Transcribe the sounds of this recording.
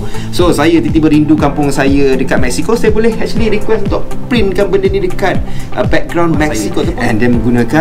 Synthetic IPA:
sosajat̪it̪ibəɾindukampʊŋsajədəkat̪̚mɛk̚sikosajəbolɛhɛt͡ʃliɾikwɛsunt̪ʊʔpɾinkanbəndənĩdəkat̪̚ʔəbɛk̚ɡɾawnmɛksikot̪ɛ̃ndɛmə̃ŋɡunãka

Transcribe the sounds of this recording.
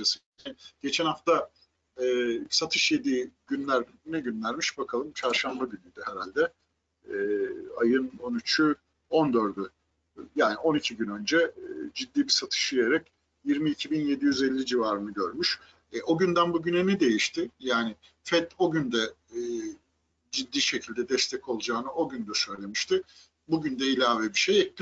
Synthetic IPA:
asɯ | inɟ̥e̞t͡ʃʰɛnhaft̪a | ɛːsat̪ʰɯʃje̞d̪iɟynlʲæɾ | nɛɟynlʲæɾmiʃbakʰalˠɯmt͡ʃʰaɾʃambaɟynyd̪yɦɛɾalʲd̪ɛː | ajɯno̞nyt͡ʃʰy | o̞nd̪ø̞ɾd̪y | jaːnio̞nicʰiɟynø̞nd͡ʒɛd͡ʒid̪ːiːbisat̪ʰɯ̥ʃijeɾɛc | jiɾmiːcʰibinje̞d̪ijyzɛlʲːid͡ʒivaːɾɯnɯɟøɾmyʃ | ʔo̞ɟynd̪ænbuɟynɛnɛd̪e̞jiʃt̪ʰɪjaːnɪ | fɛt̪o̞ɟynd̪ɛ | d͡ʒid̪ːiːʃe̞cʰilʲd̪ɛd̪ɛst̪ʰɛcʰo̞lˠud͡ʒaːnɯʔo̞ɟynd̪ɛsø̞jlʲe̞miʃt̪ʰɪ | buɟynd̪ɛilʲaːvɛbiʃejɛclʲ

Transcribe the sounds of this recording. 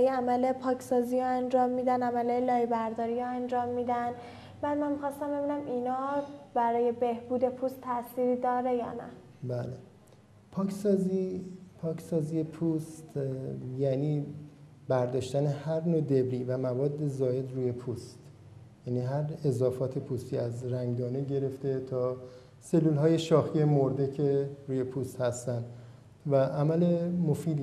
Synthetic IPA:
jeæmælepʰɒːcʰsɒːzijɒænd͡ʒɒːmːiːd̪ænæmælelɒːjebæɾd̪ɒːɾijɒænd͡ʒɒːmːiːd̪æn | b̥æːd̪mænmixɒːst̪æmbe̞binæminɒbæɾɒːje̞be̞hbuːd̪e̞pʰuːst̪ʰːæsiːɾiːd̪ɒːɾe̞jɒ̰ːnæ̰ | bæle | pʰɒːcʰsɒːzipʰɒːkʰsɒːzijepʰuːst̪jæniː | bæɾd̪ɒːʃt̪æne̞hæɾnoːd̪e̞bɾiːvæmævɒːd̪ːe̞zɒːje̞d̪ruːje̞pʰuːst̪ | jæːniːɦæɾezɒːfɒːt̪ʰe̞pʰuːst̪iːæzɾæŋɡd̪ɒːneɟe̞ɾe̞ft̪e̞t̪ʰɒː | se̞lːuːlɦɒːje̞ʃɒːxije̞moɾd̪e̞cʰe̞ɾuːje̞pʰust̪hæst̪ænd̪ | væʔæmæle̞mofiːd̪

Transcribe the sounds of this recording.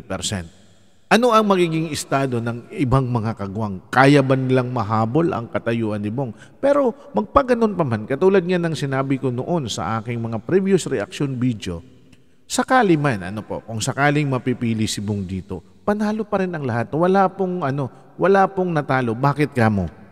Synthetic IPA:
pɛɾsɛ̰nt̪̚ | ʔɐno̞ʔɐŋmɐɡiːɡɪŋɪst̪aːd̪o̞nɐŋɪbaŋmɐŋakɐɡʊʔaŋkaːjɐbɐnɪlaŋmɐɦaːbo̞lʔɐ̰ŋkɐt̪ɐjuːʔɐnɪboŋ | pɛːɾo̞ | mɐɡ̚pɐɡɐno̞npɐmankɐt̪uːlɐd̪̚ŋanɐŋsɪnaːbɪko̞no̞̰ʔo̞nsɐ̰ʔaːkɪŋmɐŋapɾibjosɾɛʔɐ̰k̚ʃonbid̪jo̞̰ | sɐkaːlɪmanʔɐ̰nopo̞̰kʊŋsɐkaːlɪŋmɐpipiːlɪsɪboŋd̪iːt̪o̞̰ | pɐnaːlopɐɾɪnɐŋlɐɦat̪̚wɐlaːpoŋʔɐno̞ | wɐlaːpoŋnɐt̪aːlo̞baːkɪt̪̚kamo̰

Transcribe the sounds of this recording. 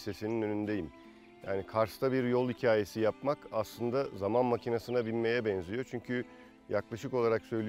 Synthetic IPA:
se̞sininø̞nynd̪e̞jim | ja̰ːnikʰaɾst̪ʰabiɾjolˠicʰaːje̞sijapmakaslˠɯnd̪azamanmacʰinasɯnabilʲme̞jɛbɛnzijo̞t͡ʃʰyɲcʰy | jaklˠaʃɯko̞lˠaɾaksø̞jlʲi

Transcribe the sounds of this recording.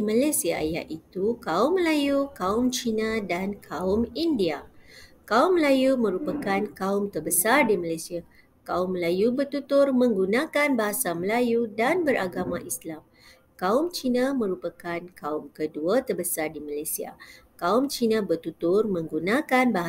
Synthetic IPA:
imalasiaja̰ʔit̪ukaʊmːəlajukaʊmt͡ʃinãdankʰaʊmindia | kaʊmːəlajumə̃ɾupakankaʊmt̪ərbəsardimalajsia | kaʊmːəlajubərt̪ut̪ʊrmə̃ŋɡunãkanbaɦasaməlajudanbəɾʔaɡamãʔislam | kaʊmt͡ʃinãmə̃ɾupakankaʊmkəduat̪ərbəsardimalajsia̰kaʊmt͡ʃinãbərt̪ut̪ʊrmə̃ŋɡunãkanbaɦa

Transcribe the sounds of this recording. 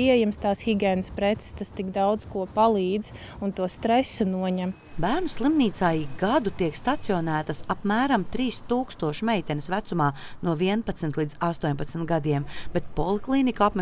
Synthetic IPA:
iɛjɛmst̪ɑːsxiɡʲɛːnəspɾɛt̪sst̪ast̪ikd̪awd̪z̥kuɔpalˠiːd̪z̥ | unt̪uɔst̪ɾɛsunuɔɲɛm | bæːɾnuslˠimniːt̪saːjiɡad̪ut̪iɛkst̪at̪sijɔnæːt̪ɐsapmæːɾamt̪ɾiːst̪uːkst̪uɔʃumɛjt̪ʲɛnɪsvæt̪sumaːnuɔviɛnpat̪snt̪lˠiːd̪zast̪uɔɲʲpat̪sm̩t̪ɡad̪iɛmb̥et̪̚polˠiklˠiːnikapmɛ

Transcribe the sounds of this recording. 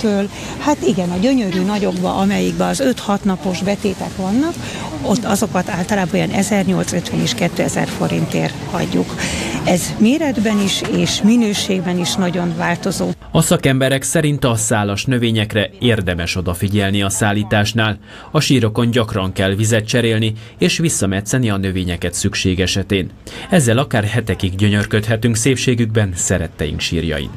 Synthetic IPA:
t̪øːl | hat̪iɡɛnɒɟø̞ɲø̞ɾyːnɒɟo̞ɡbɒ̰ʔɒmɛjiɡbɛɒzø̞t̪hɒt̪nɒpo̞ʒbɛt̪eːt̪ɛkʋɒnːɒk | o̞t̪ːɒzo̞kɒt̪aːlt̪ɒlaːbojɒnʔɛzɛrɲo̞lt̪søt̪ʋɛneːʃkɛt̪ːøːɛzɛ̰rfo̞ɾḭnt̪ḛːr | hɒ̰ɟːukɛzmeːɾɛd̪bɛniʃeːʃminøːʃeːɡbɛniʃnɒɟo̞nvaːlt̪o̞zoː | ɒsɒkɛmbɛɾɛksɛɾint̪ɒsaːlɒʃnø̞veːɲɛkrɛeːrd̪ɛmɛʃo̞d̪ɒfiɟɛlniɒsaːlːiːt̪aːʃnaːl | ɒʃiːɾo̞ko̞ɲɟɒkrɒŋkɛlvizɛt̪t͡ʃɛɾeːlni | eːʃʋisːɒmɛt̪sɛniɒnø̞veːɲɛkɛt̪sykʃeːɡɛʃɛt̪eːn | ɛzːɛlɒkaːrɦɛt̪ɛkiɡɟøɲø̞rkøt̪ɦɛt̪yŋkseːpʃeːɡyɡbɛnsɛɾɛt̪ːɛjḭŋkʃḭːrjɒ̰jḭn

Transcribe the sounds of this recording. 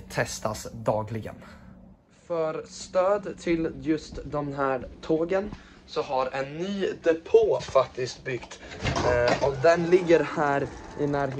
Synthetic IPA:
t̪ʰɛst̪asd̪ɑːɡlɪɡə̰n | fœɾst̪øːd̪t̪ʰɪljɵst̪d̪ɔmɦæːɾt̪ʰoːɡən | sɔɦaɾɛnːyːd̪ɛpʰoːfak̚t̪ɪst̪bʏɡt̪ | ɔkd̪ɛnlɪɡːəɾhæːɾʔɪnæːɾɦ

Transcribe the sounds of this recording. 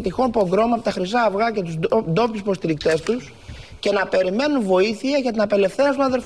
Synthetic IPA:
t̪ixo̞npo̞ɡɾo̞mɐpot̪ɐxɾizɐːvɣɐce̞t̪uzd̪o̞pispost̪iɾikt̪e̞st̪us | ce̞nɐpe̞ɾime̞nunvo̞iθiɐʝɐt̪inɐpe̞le̞fθeɾɐst̪uɐðe̞lf

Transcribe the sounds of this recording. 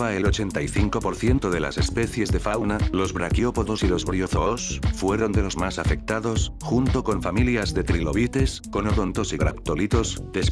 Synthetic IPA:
βaelo̞t͡ʃe̞nt̪aiθiŋko̞po̞ɾθje̞nt̪oðe̞la̰se̞spe̞θje̞zðe̞fawnalo̞zβɾakjo̞poðo̞silo̞zβɾio̞θoosfwe̞ɾo̞nd̪e̞lo̞zmasafe̞k̚t̪aðo̞sxunt̪o̞ko̞ɱfamiljazðe̞t̪ɾilo̞βit̪e̞sko̞noðont̪o̞siɣɾa̰pt̪olit̪o̞sd̪̥e̞s

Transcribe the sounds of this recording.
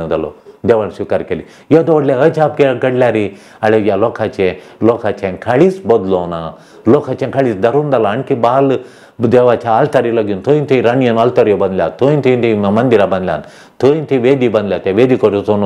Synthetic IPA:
und̪ɐlo̰d̪eːʋansukɐɾkeli | jed̪ooɽleɐt͡ʃʰaːp̚keɡɐɖlʲaːɾi | ɐlejaloːkʰat͡ʃe | loːkʰat͡ʃʰenkʰɐɽisbɐd̪loːna | loːkʰat͡ʃẽnkʰɐɭisd̪ɐɾund̪ɐlaɐɳkibaːl | d̪eːʋaːt͡ʃʰaːlt̪ɐɾilɐɡunt̪ʰoːjint̪ʰiɾɐnijɐnɐlt̪ɐɾjobɐnd̪lʲa̰ːt̪ʰojint̪ʰint̪ʰimmɐnd̪iɾabɐnd̪lʲa̰n | t̪ʰoːjnt̪ʰiʋeːd̪ibɐnd̪ljat̪eʋeːd̪ikoʈot̪onu

